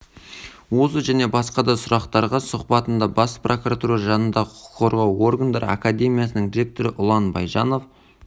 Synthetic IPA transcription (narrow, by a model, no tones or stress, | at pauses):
wo̞səʒæne̞bɑsqɑd̪ɑsʊɾɑqt̪ɑɾʁɑsʊqpɑt̪ənd̪ɑbɑsprʔo̞kuɾat̪uɾɑʒɑnənd̪ɑʁəqʰːo̞ɾʁɑwo̞rɡand̪ɑɾə̰akad̪e̞mijasənəŋd̪ʲiɾe̞k̚t̪o̞ɾɪʔʊlˠɑnbɑjʒɑno̞f